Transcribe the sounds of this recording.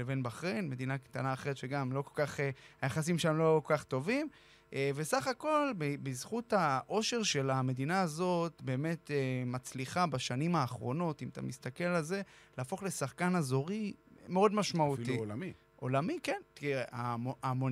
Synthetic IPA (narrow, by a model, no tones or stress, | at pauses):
evenbaχʁenme̞d̪inakt̪anaːχe̞ʁet̪ʃeɡamlo̞kolkaχeajaχasimʃmlo̞kokaχt̪o̞vim | ʔeve̞saχako̞lbebizχuthaʔo̞ʃe̞ʁʃe̞lame̞dinaazo̞tbe̞ːme̞temat͡sliχabaʃanimaːχʁo̞no̞timat̪a̰mist̪ake̞lalze̞laːfo̞χle̞saχkanazo̞ʁimeo̞dmaʃmautii | ʔo̞lamikent̪ieaoamo